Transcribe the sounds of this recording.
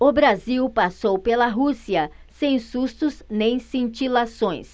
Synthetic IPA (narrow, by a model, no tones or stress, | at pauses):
ʊbɾaziwpasowpelɐɦusiɐ | sẽj̃sust̪ʊznẽj̃sĩt͡ʃilasõj̃s